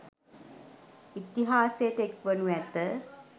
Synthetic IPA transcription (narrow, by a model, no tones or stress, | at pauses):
it̪iɦaːsejəʈəekʋənuæt̪ə